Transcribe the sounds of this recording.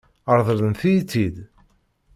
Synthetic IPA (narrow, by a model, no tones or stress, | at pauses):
əɾˤðˤələnθijt͡sːid̪